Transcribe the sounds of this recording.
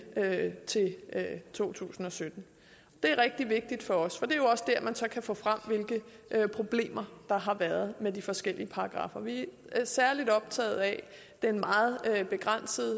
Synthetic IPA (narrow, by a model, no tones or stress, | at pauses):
øt͡sʰe̝lːt͡sʰo̝̰ːt͡sʰṵːsn̩ɒ̽sød̥n̩ | d̥e̝æɐʁɛɡ̥̚d̥iʋe̝ɡ̥̚d̥id̥fɒ̽ɒ̽sfɒ̽d̥eɐjo̝ɒ̽sd̥æɐ̰mænsɒ̽kʰæfɔ̰̽ːfʁam̰ʋe̝lɡ̥ə | ʔøpʰʁo̝b̥le̝̰ːmɐd̥ɑ̈ɦɑ̈ʋæɐð̞ˠmedifɒ̽sɡ̥el̰iəpʰɑ̈ɑ̈ɡ̥ʁɑ̰̈ːfɐʋi | æsæɐlid̥ɒ̽b̥̚t͡sʰɛ̰ːð̞̩ˠæ | d̥e̝ɐenmɑ̈ːð̞̩ˠøb̥e̝ɡ̥ʁan̰səð̩ˠ